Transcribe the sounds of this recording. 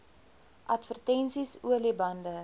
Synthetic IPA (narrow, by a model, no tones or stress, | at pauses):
ʔɐtfərtɛnsisuəlibɐndə